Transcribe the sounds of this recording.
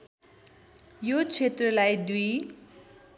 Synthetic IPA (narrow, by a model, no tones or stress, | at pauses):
jot͡sʰet̪rʌlajd̪uj